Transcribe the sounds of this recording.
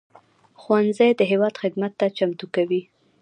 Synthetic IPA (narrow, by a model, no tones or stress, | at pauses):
xwanzajd̪əɦewɑd̪xɪd̪mat̪ːat͡ʃamt̪ukawi